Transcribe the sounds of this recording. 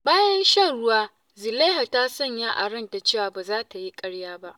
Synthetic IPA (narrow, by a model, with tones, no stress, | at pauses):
baː˦jɐ˦nʃɐ˦ŋɽʊ˦waː˦ | zɪ˨la˦ɦa˨taː˦sɔ˦˨ɲja˦ʔa˨ɽɐ˦nta˨t͡ʃeː˦˨waː˨baː˨zaː˦ta˨ji˦kʼɐ˦ɽjaː˦ba˦ʔ